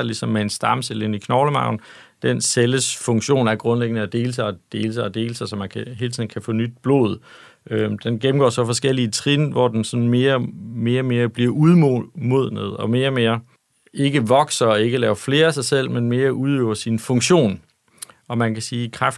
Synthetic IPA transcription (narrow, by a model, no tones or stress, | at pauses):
lisɒ̽mːeensd̥ɑ̈mselenikʰnɒʊləmɑ̈ʊ̰n̩ | d̥enseləsfɔ̽ŋɕo̝̰ːnæɐɡ̥ʁɔ̽nleɡ̥ənəæd̥e̝ːləs̬ɑ̈ɪɒd̥e̝ːləsɑɪɒd̥e̝ːləsaɪsɒ̽mænkʰæɦe̝ːlt͡sʰiðˠn̩kʰæfɔ̰ːnyd̥̚b̥lo̝̰ð̞̩ˠ | ød̥enɡ̥em̩ɡɒ̰ːsɒ̽fɒ̽sɡ̥el̰iət͡sʰʁinʋɒd̥ensɒ̽nme̝ːɐme̝ːɐme̝ːɐb̥liɐ̰ʔuð̞ˠmmo̝ð̞̰ˠnəð̞̩ˠɒ̽me̝ːɐme̝ːɐ | e̝ɡ̥əʋɒ̽ɡ̥sɐɒe̝ɡ̥əlɛːʊɐfle̝ːɐæsɑ̈ɪsel̰menme̝ːɐʔuðˠøʊɐsinfɔ̽ŋɕo̝̰ːn | ɒ̽mænkʰæsiːkʰʁaf